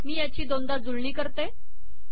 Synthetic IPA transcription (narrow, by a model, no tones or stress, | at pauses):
miːjat͡ɕiːd̪ond̪ad͡zulɳiːkəɾt̪e